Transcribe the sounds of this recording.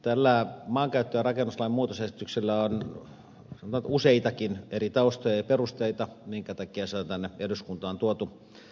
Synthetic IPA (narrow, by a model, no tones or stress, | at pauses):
t̪ælːæːmɑːŋkæyt̪ːøjːrɑkenːuslɑimmuːt̪osesi̥t̪ykselːæon | senot̪ɑt̪useit̪ɑkinerit̪ɑust̪ojɑjɑperust̪eit̪ɑmiŋkæt̪ɑkiæseont̪ænːeeduskunt̪ɑːnt̪uot̪u